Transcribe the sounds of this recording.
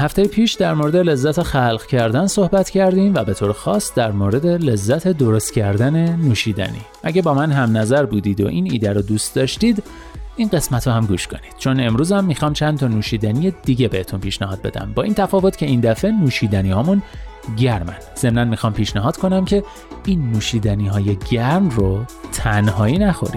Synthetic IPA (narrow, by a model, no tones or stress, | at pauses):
hæft̪ejipʰiːʃd̪æɾmoɾe̞d̪e̞le̞zːæt̪ʰexælɢcʰæɾd̪ænso̞hbæt̪cʰæɾd̪imvæbe̞t̪ʰoːɾexɒːsd̪æɾmoːɾe̞d̪e̞le̞zːæt̪ʰe̞d̪oɾo̞st̪cʰæɾd̪æne̞nuːʃiːd̪æ̰nḭːʔæɟæbɒːmænɦæmnæzæɾbuːd̪iːd̪o̞̰ʔinḭːd̪æɾod̪uːst̪d̪ɒːʃt̪iːd̪ | ʔinɢe̞smæt̪ʰɾohæmɡuːʃkʰo̞̰nid̪̥t͡ʃʰo̞ne̞mɾuːzæmːiːxɒːmt͡ʃʰænt̪ʰɒnuːʃiːd̪ænijed̪̥iɟebe̞het̪unpʰiːʃnæɦɒːd̪̚be̞d̪æ̰mbɒːʔiːnt̪ʰæfɒːvo̞t̪cʰe̞ind̪æfe̞nuːʃiːd̪æniːhɒːmun | ɟæɾmæ̰nz̥e̞mnænmixɒːmpʰiːʃnæɦɒːd̪̥kʰo̞næmcʰe̞ | iːnːuːʃiːd̪æniːɦɒːje̞ɟæɾmrot̪ʰænhɒːiːnæxo̰ɾḭ̥